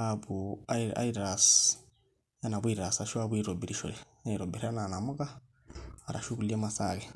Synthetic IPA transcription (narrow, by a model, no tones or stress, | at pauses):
aβua̰iɾas | janaβwiɾɾasaʃwaβuiɾobiɾiʃo̰ɾenaiɾobiɾiananamuɣa | a̰ɾa̰ʃukuliemasa̰ɣe